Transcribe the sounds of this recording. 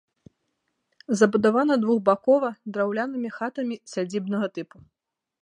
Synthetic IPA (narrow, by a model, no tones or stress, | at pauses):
zɐbud̪avanɐd̪vuɣbakɔvɐd̪ɾawlʲanɨmʲixat̪ɐmʲisʲad͡zʲibnɐɣɐt̪ɨpu